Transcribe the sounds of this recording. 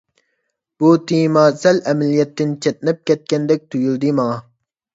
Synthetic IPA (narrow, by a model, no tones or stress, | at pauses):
b̥ut̪ʰimɑsɛlɛmɛlijɛt̪ːɪnt͡ʃʰɛt̪̚nɪp̚kʲɛt̪̚kʲɛnd̪ɛk̚ʲt̪ʰyjyld̪ɨmɑŋɑ